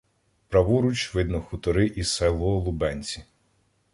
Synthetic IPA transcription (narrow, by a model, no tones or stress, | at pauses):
pɾɐʋuɾut͡ʃʋɪd̪nɔxʊt̪ɔɾɪʔisɛlˠɔlˠʊbɛnʲt͡sʲi